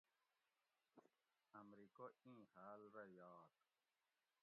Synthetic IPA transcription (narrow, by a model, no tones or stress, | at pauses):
ɐmɾikoĩːhaːlɾɐjaːt̪